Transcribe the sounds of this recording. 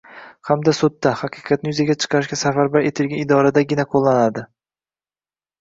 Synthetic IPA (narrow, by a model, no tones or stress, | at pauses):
hamd̪asʊt̪ːahɑqʰɨqʰɑt̪̚nɪjʊzaɡʲat͡ʃʰɨ̥qʰɑɾɪʃɡʲasafaɾbaɾe̞t̪ʰɪlɡʲanɪd̪ɒɾad̪aɡʲɪnaqʰolˠːanad̪ɪ